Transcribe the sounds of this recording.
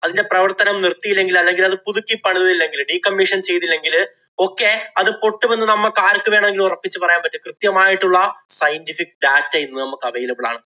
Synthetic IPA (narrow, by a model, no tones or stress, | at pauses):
ɐðinde̞prɐʋɐrt̪ɐnɐmnirt̪ːijilːe̞ŋɡilɐlːe̞ŋɡilɐðɨpuðukʲːipːɐɳinɐðilːe̞ŋɡilɖiːkɐmːiʂɐnt͡ɕe̞jt̪ilːe̞ŋɡil | o̞ːkːe̞ɐðɨpo̞ʈːɨʋenːɨnɐmːɐkːaːɾkːɨʋe̞ːɳɐmeŋɡilurɐpːit͡ɕːɨpɐrɐjaːmpɐtːɨkrɨt̪jɐmaːjiʈːuɭːɐsɐjntifik̚ːɖaːtːɐjinːunɐmukːɐʋɐjilɐpɐɭa̰ːɳɨ